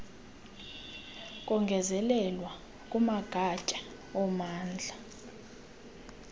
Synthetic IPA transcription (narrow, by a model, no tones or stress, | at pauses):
kʼɔŋɡʱɛzɛlɛlwa | kʼumaɡ̥ʱat͡ʃʼḁ | ɔmaːnd͡ɮʱa